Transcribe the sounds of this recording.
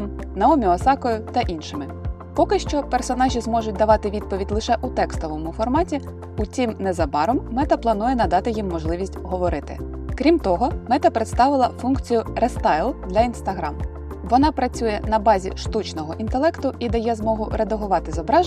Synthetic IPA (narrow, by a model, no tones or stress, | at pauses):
m | nɐɔmʲiɔsɑkɔjʊt̪ɐʔinʃɪmɪ | pɔkɪʃt͡ʃɔpersɔnɑʒʲizmɔʒʊt̚ʲd̪ɐʋɑt̪ɪʋʲid̪̚pɔʋʲidʲlˠɪʃɛʔut̪ɛkst̪ɔʋɔmʊfɔrmɑtʲi | ʊt͡sʲimnɛzɐbɑɾɔmːɛt̪ɐplˠɐnujɛnɐd̪ɑt̪ɪjimːɔʒlˠɪʋʲisʲtʲɦɔʋɔɾɪt̪ɪ̰ | kɾʲimt̪ɔɦɔmɛt̪ɐpɾet̪st̪ɑʋɪlˠɐfunkt͡sʲijʊɾɛst̪ɑjlˠd̪lʲɐinst̪ɐɦɾɑm | ʋɔnɑpɾɐt͡sʲujɛn̪ɐbɑzʲḭʃt̪ut͡ʃnɔɦɔʔint̪elˠɛkt̪ʊʔid̪ɛjazmɔɦʊɾed̪ɐɦʊʋɑt̪ɪzɔbɾɑʒ